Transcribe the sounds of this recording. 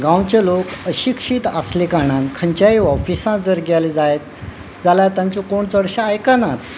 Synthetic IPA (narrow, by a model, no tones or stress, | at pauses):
ɡãwt͡ɕelokəɕikʂiːt̪a̰slekaɽ̃ãnkʰəɲt͡ɕjaiʋɔfisãd͡zəɾɡjaled͡zajet̪̚ | d͡zalat̪jãɲt͡ɕĩkoɳt͡səɽɕaːjkanat̪